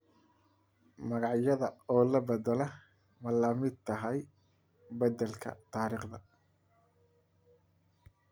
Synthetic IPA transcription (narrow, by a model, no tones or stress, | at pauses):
mɐɣɑʕjɐðɐɔːlɐbɐd̪ɛlɛ | mɐlɐmɪd̪̚t̪ʰɐɦɛj | bɐd̪ɛlkʰɐ̰t̪ʰaːɾiːχd̪ɐ